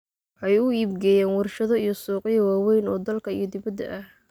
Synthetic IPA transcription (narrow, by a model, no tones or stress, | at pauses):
wħɑjʊiːbɡɛːjɛːnwɑrʃɐðɔijɞsuːqɪjɐwaːwɛjnɔːd̪ɐlkʰɐijɞd̪ɪβɐd̪ɐ̰ʔɐh